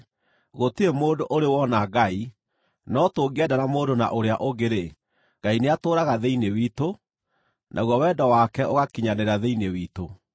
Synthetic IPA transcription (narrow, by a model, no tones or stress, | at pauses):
ɣotiemoːdoʔoɾewɔnaɡai | nɔtoːɡɛdanamoːdona̰ʔoɾeaʔoɣeɾe | ɡ̥aineatoːɾaɣaðeinewiːto | nʔa̰ɣwɔwɛːdɔwakɛʔoɣakiɲaneɾaðeinewiːto